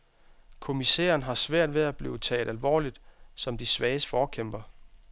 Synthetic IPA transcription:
kʰo̝misḛːɐnɦɑ̈sʋæɐ̰d̥ʋeæb̥lḭːʊt͡sʰɛ̰ːld̥ælʋɒ̰ːlid̥sɒ̽md̥isʋɛːɪəsfɒːkʰem̰b̥ɐ

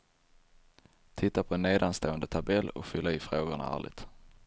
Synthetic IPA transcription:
t̪ʰɪt̪ːapʰɔɛnːeːd̪anst̪oːənd̪ət̪ʰabɛlːɔ̰kfʏlːaɪːfɾoːɡʊɳa̰æ̰ːɭɪ̰t̪

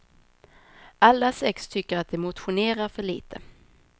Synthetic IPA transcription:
alːasɛkst̪ʰʏkːəɾat̪̚d̪ɛmʊt̪ɧʊneːɾaɾfœɭiːt̪ʰə̰

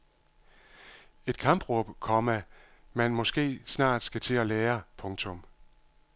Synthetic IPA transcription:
e̝d̥kʰɑ̈mb̥ʁɔb̥kʰɒ̽mæmænmɒ̽sɡ̥e̝̰ːsnɑ̰̈ːd̥sɡ̥æt͡sʰe̝ɒleːɐpʰɔ̽ŋt͡sʰɔ̽m

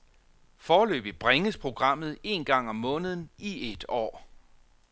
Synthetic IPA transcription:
fɒːlø̰ːb̥ib̥ʁeŋəspʰʁo̝ɡ̥ʁɑ̈m̰ð̞̩ˠe̝ːnɡ̥ɑ̈ŋ̰ɒ̽mːɔ̽ːnəð̞ˠn̩ied̥ɒ̰ː

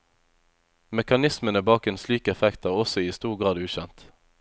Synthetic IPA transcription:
mɛkɑnɪsmənəbɑːkeːnslyːkəɛfɛkt̪æːʁɔsɔiːst̪uːʁɡʁɑːd̪ʉːʃɛnt̪

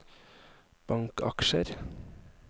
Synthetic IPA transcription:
b̥ɑŋkɑ̰kʃəɾ

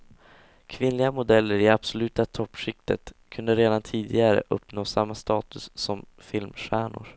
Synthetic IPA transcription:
kʰvɪnlɪɡamʊd̪ɛlːəɾɪab̥sɔlʉ̟ːt̪at̪ʰɔpːʂɪk̚t̪ə̰t̪kʰɵnd̪əɾeːd̪ant̪ʰiːd̪ɪɡaɾə̰ʔɵpnoːsamːast̪ɑːt̪ɵsːɔm | fɪlmɧæːɳʊ̰ɾ

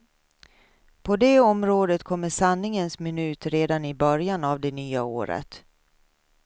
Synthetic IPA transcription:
pʰɔd̪eːɔmɾoːd̪ət̪kʰɔmːəʂanːɪŋənsmɪnʉ̟ːt̪ɾeːd̪anɪbœɾjanavd̪ɛnyːao̰ːɾə̰t̪

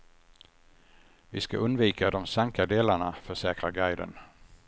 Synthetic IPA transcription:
vɪ̰ska̰ʔɵnd̪viːkʰad̪ɔmsaŋkad̪eːlaɳafœʂɛːkɾaɾɡajd̪ə̰n

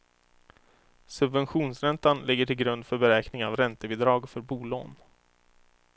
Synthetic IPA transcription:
sɵbvɛnɧuːnsɾɛnt̪anlɪɡːəʈʰɪlɡɾɵnd̪fœɾbɛɾɛːknɪŋavɾɛnt̪əbɪːd̪ɾɑːɡfœɾbuːlo̰ːn

